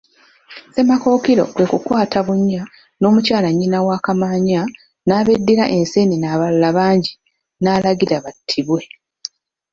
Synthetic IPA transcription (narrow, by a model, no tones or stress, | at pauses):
se̞mako̞ːkiɾo̞̰kwe̞kukwaːtʰaβuɲːa | no̞ːmucaːlaɲːinawaːkamaːɲa | naːβedːiɾa̰ʔe̞nse̞ninaːβallaβaːɲɟi | naːlaɡiɾaβatʰːiβwe̞